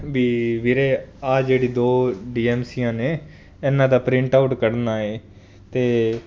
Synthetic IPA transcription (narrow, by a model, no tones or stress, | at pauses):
ʋiːʋɪɾeːaːd͡ʒeːɽiːd̪oːɖiːɛːmsiːãːneː | ɛːnãːd̪aːpɾɪ̃ɳʈaːʊʈkəɽnaːeː | t̪eː